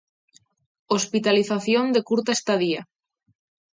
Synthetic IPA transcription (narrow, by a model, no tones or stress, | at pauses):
ospit̪aliθaθjond̪ekuɾt̪aest̪aðia